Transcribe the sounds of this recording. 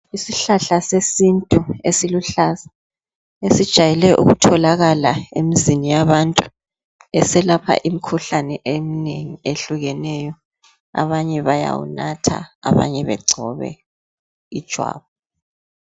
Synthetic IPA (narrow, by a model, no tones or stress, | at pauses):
isiɬaɬasesintʼuesiluɬaza | esid̥ʒ̥ʱajɛlɛʔṵɣutʰɔlaɣalaemizinijaβantʼu | ɛsɛlapʰa̰ʔimikʰuɬanɛʔemineŋieɬuɣɛnɛjɔ | a̰βaɲɛβaja̰wṵnatʰa̰a̰βa̰ɲɛβɛ̰ɡ͡ǀʱɔβɛ̰ | id̥ʒ̥ʱwa̰ːβɔ